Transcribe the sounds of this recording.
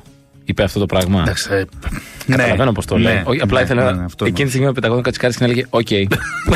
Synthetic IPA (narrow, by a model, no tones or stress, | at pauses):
ipeɐft̪o̞t̪o̞pɾɐɣmɐd̪ɐks | nkɐɐlɐvenopo̞st̪oleioɐplɐiθelenɐft̪ecinit̪siɣmimepet̪ɐɣokɐt͡si̥kɐɾiscenɐleʝeoce̞j